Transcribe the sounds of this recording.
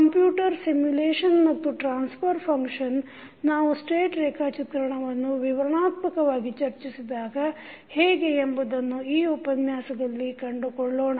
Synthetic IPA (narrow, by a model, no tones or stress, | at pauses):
kɐmpjuːʈɐɾsimjuleːʂɐnmɐt̪ːuʈɾaːnspʰɐɾpʰɐŋkʂɐn | naːʋusʈeːʈɾeːkʰaːt͡ʃit̪ɾɐɳɐʋɐnːuʋiʋɐɾɐɳaːt̪mɐkɐʋaːɡit͡ʃɐɾt͡ʃisid̪aːɡɐ | heːɡeːmbud̪ɐnːuiːupɐnjaːsɐɡɐlːikɐɳɖukoɭɖoːɳɐ